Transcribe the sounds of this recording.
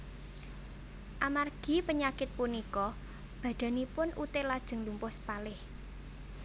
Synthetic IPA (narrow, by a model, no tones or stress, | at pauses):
ʔamarɡ̥i̤pəɲakɪt̪̚punikɔ | b̥ä̤ɖ̪̥a̤nipʊnʔut̪ɪlad̥ʒ̥ə̤ŋlumpʊspalɪh